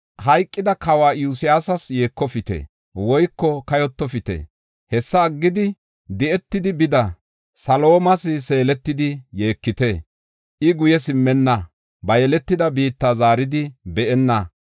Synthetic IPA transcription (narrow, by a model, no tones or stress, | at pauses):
hɐjkʼːɪd̪ɐkɐwaːjuːsɪjaːsɐsjeːkːɔfɪt̪ḛ | wɔjkːɔkɐjɔt̪ːɔfɪt̪ḛ | hɛsːɐːɡːɪd̪ɪ | d̪ɛɛt̪ːɪd̪ɪbɪd̪ɐ | sɐlo̞ːmɐsɪse̞ːlɛt̪ːɪd̪ɪjeːkːɪt̪e | ʔɪɡʊjɛsɪmːɛnːɐ | bɐjɛlɛt̪ːɪd̪ɐbiːt̪ːaːzaːɾɪd̪ɪbɛʔɛnːɐ